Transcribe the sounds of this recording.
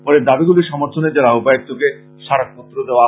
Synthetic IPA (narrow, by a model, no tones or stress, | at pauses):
pɔɾed̪abiɡuliɾʃɔmoɾt̪ʰoned͡ʑaɾaopaek̚t̪ʰːoke | ʃaɽak̚pɔt̪ːɾod̪eoa